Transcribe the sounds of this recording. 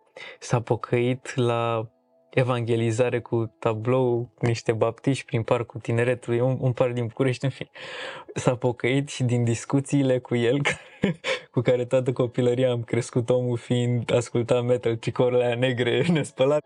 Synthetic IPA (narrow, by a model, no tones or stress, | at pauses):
sapo̞kʰəit̪la | e̞vaŋɡʲe̞lizaɾe̞kʰut̪ablo̞wkuniʃt̪e̞bapt̪iʃpɾinparkut̪ine̞ɾe̞t̪ulujununparkd̪inbukuɾe̞ʃt̪ʲɨnfinsapo̞kəit̪ʃid̪ind̪iskut̪siːle̞kuje̞lkʰ | kukaɾe̞t̪oat̪̬əko̞piləɾiaːmkɾe̞skut̪o̞mulfind̪askult̪ame̞t̪alt͡ʃikoɾleane̞ɡɾe̞nespəla